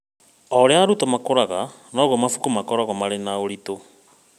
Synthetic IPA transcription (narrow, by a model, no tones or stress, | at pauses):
ɔɾeaɾutɔmakoɾaɣa | nɔɣɔmafu̥kumakɔɾaɣɔmaɾenaoɾito